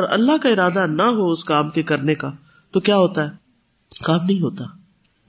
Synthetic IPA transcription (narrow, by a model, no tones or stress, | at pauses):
ɔːɾɐ̰lːaɦkaɪɾaːd̪anɐɦoʊskaːmkekɐɾneka | t̪okjaːɦoːt̪aɦɛː | kaːmnɐɦĩɦoːt̪aː